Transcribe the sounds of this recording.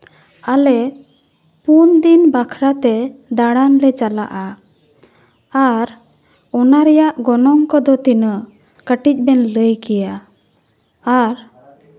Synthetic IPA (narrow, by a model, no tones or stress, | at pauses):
alɛ | pund̪inbakʰɾat̪ɛd̪aɽanlɛt͡ʃala̰ʔa | aɾ | ɔnaɾɛjaʔɡɔnɔŋkɔd̪ɔt̪inə | kəʈic̚ˀbɛnləjkɛja | ɾ